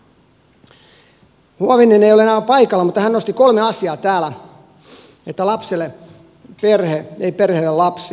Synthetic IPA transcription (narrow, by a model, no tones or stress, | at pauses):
huɑʋinːeneijolenæːpɑikɑlːɑmut̪ːɑhænnost̪ikolmeɑsiɑːt̪æːlæ | et̪ːælɑpselːe | perheeiperhelːelɑpsi